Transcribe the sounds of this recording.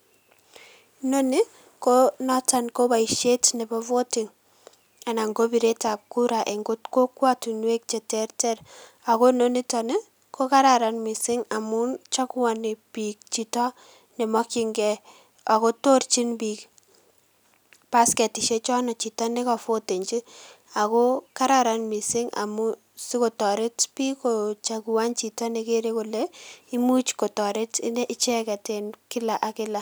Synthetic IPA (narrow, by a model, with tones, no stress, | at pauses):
no˦ni˦ | konɔ˦ta˨nko˦ba˨iʃe˦tnɛ˨bɔ˦vo˦tɪ˨ŋ | a˨na˨ŋɡo˦bi˨ɾe˦ta˨p̚ku˦ɾa˨ʔe˨ŋɡʊ˦tko˦kwa˦tu˨nwe˦k̚t͡ʃe˨tɛrtɛ˦ɾ | a˨ko˦no˦ni˦tɔ˨ne˦ | ko˦ka˦ɾa˨ɾa˨nmi˨sɪ˦ŋa˨mu˦nt͡ʃɔ˦kwa˨ni˨pik̚t͡ʃitɔ˦ | ne˨mɔ˦ki˨ŋɡɛ | a˨ko˦to˦ɾt͡ʃi˦nbiːk | pa˦skɛ˨tɪ˨ʃe˦t͡ʃɔ˦nɔ˨t͡ʃi˨ta˦ne˦kɔ˨fo˦te˨ɲt͡ʃi˦ | a˨ko˦kaɾaɾa˨nmi˨sɪ˦ŋa̰˨mu˦ | si˦ko˨tɔ˨ɾɪ˦tpi˦ko˨t͡ʃa˨ku˨wa˦nt͡ʃi˨ta˦ne˦ke˦ɾe˦kʊ˨le˦i˦mu˦t͡ʃko˨tɔ˨ɾɪ˦ti˦ne˦ʔɪ˦t͡ʃɛ˦kɛ˨te˨nkɪ˦la˨ʔa˨kɪ˦la˦